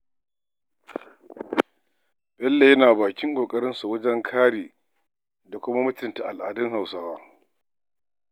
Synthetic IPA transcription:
bɛ˦lːe˨jɐ˦naː˨baː˨kʲɪ˦ŋkʷʼoː˨kʼɐ˦ɽɪ˦nsu˨wɐ˦d͡ʒɛ˦ŋkʰaː˦ɽiː˨ | da˨kʷʊ˦ma˦mʊ˦tʊ˨nta˨ʔa˨lʔa̰ː˨dɪ˦ŋha˨wsa˦˨waː˦

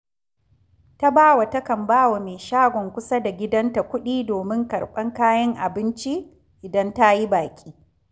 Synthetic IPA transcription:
ta˦baː˦wa˨tɐ˦kɐ˨mbaː˦wa˨meː˨ʃaː˦ɡʷɔ˨ŋkʷʊ˦sa˦da˨ɡʲɪ˦dɐ˦nta˨kʷʊ˦ɗiː˦doː˨mɪ˦ŋkɐ˨ɽɓɐ˦ŋkaː˦jɐ˦ŋʔa̰˨bɪ˦nt͡ʃi˦ | ʔɪ˨dɐ˦nta˦ji˦baː˨kʲʼiː˦

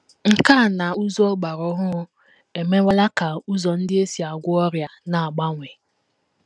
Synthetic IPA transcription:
ŋ̩˨ka˦˨na˨u˦zɔ˦ɡ͡ba˨ɾɔ˦ɦʊ˦ | e˨me˦wa˦la˦ka˨u˦zɔ˨n̩˦dɪ˦e˦si˨a˨ɡʷʊ˦ɔ˦ɾja˨na˨a˨ɡ͡ba˦ŋʷe˨

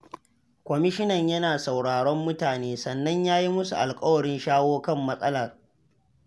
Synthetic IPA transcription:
kʷɔ˨mɪ˦ʃɪ˦nɐ˨ɲjɐ˦naː˨sa˨wɽaː˨ɽɔ˦mːʊ˦taː˨neː˦sɐ˨nːɐ˦ɲjaː˦ji˦mʊ˦su˨ʔa˨lkʼɐ˦wɐ˨ɽɪ˦nʃaː˦woː˦kɐ˦˨mːɐ˦sʼɐ˦lɐ˨r

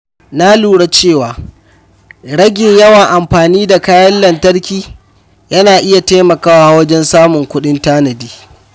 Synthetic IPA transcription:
na˦luː˨ɽa˦t͡ʃeː˦˨waː˨ | ɽɐ˦ɡʲɪ˨ɲjɐ˦wɐ˨ŋʔa˨mɸaː˨niː˦da˨kaː˦jɐ˦lːɐ˨ntɐ˦ɽkʲiː˨ | jɐ˦naː˨ʔɪ˦ja˨taː˦mɐ˨kaː˦waːa˨˦wɐ˦d͡ʒɛ˦nsaː˦mʊ˨ŋkʷʊ˦ɗɪ˦ntaː˦nɐ˨diː˦

